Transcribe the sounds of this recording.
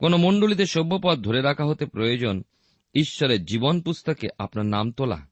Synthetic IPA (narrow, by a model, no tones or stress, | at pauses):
konomoɳɖolit̪eʃobːopɔt̪̚d̪ʱoɾeɾakʰaɦot̪epɾojod͡ʑon | iʃːɔɾeɾd͡ʑibonpust̪okeʔa̰pnaɾnamt̪ola̰